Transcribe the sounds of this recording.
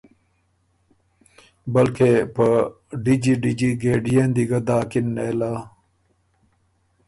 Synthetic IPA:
bɐlkepə | ɖid͡ʑiɖid͡ʑiɡeːɖijend̪iɡɐd̪aːkinːelaː

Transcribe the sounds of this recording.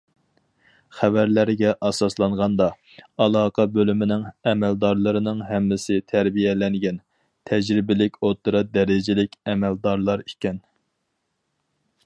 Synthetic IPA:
χævæɾlæɾɡʲɛʔɑsɑslˠɑɴʁɑnd̪ɑ | ɑlˠɑːqʰɑbølymɪnɪŋɛmɛld̪ɑɾlˠɨɾɨnɨŋɦɛmːɪsɪt̪ʰæɾbijɛlɛŋɡʲɛn | t̪ʰɛd͡ʒɾɪbɪlɪkʲot̪ɨɾɑd̪ɛɾɪd͡ʒɪlɪkʲɛmɛld̪ɑɾlˠɑɾikʲɛn

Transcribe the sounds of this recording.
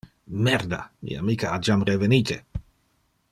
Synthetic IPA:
mɛɾd̪a̰mḭamikaad͡ʒamrevenit̪ḛ

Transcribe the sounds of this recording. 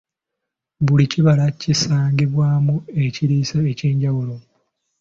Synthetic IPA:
βuliciβalacisaːŋɡiβwaːmue̞ciɾiːsaece̞ːɲɟawulo

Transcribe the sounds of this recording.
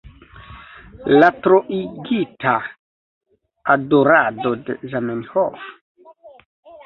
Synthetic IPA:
latɾoʔiɡitʰa | adoɾadodezamanho̰f

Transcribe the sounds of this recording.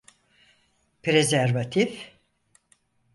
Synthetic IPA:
pɾezæɾvat̪ʰif

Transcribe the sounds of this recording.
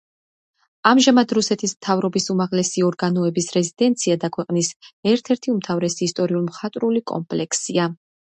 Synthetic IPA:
amʒamad̪ɾusɛt̪ʰismt̪ʰavɾɔbisumaʁlɛsiɔɾɡanɔɛbisɾɛzid̪ɛnt̪sʰiad̪akʰwɛqʼnisɛɾt̪ʰɛɾt̪ʰiumt̪ʰavɾɛsiːst̪ʼɔɾiulˠmχat̪ʼɾulikʼɔ̰mpʼlɛkʰsia

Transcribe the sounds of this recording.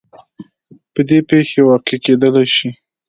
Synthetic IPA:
pəd̪epexewɑqeked̪əlajʃi

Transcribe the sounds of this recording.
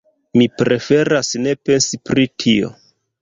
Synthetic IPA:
mipɾe̞fe̞ɾasne̞pe̞nsipɾitʰio̞̰

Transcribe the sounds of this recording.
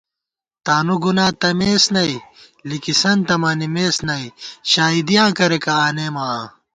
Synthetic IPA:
t̪aːnuɡunãːt̪ɐmeːsnɐi | likisɐnt̪ɐmaːnimeːsnɐiɕaːid̪ijãːkɐɾekɐaːneːmaː

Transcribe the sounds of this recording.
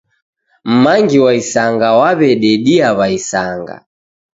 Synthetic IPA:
m̩maŋɡiwaisaŋɡawaβɛɗɛɗiaβaisaŋɡa̰

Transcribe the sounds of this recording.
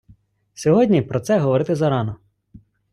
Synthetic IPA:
sʲɔɦɔdʲnʲipɾɔt̪sɛɦɔʋɔɾɪt̪ɪzɐɾɑnɔ

